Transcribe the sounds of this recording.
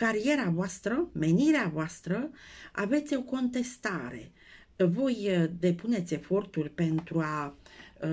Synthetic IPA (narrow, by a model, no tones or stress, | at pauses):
kaɾije̞ɾavoast̪ɾəme̞niɾeavoast̪ɾəa̰ve̞t̪sʲo̞ko̞nt̪e̞st̪aɾe̞ | vo̞jd̪e̞pune̞t̪sʲe̞fo̞rt̪urʲpe̞nt̪ɾua